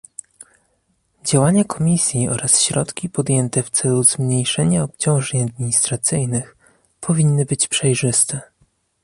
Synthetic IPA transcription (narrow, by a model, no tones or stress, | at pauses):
d͡ʑawaɲakɔmʲisʲjiɔ̰ɾʔasɕɾɔt̪kʲipɔd̪ʲjɛnt̪ɛft̪sɛluz̥mɲejʂɛɲaɔpt͡ɕɔ̃w̃ʐɛɲad̪̚mʲiɲist̪ɾat̪sɘjnɘx | pʰɔvʲinːɘbɘt͡ɕpʂɛjʐɘst̪ɛ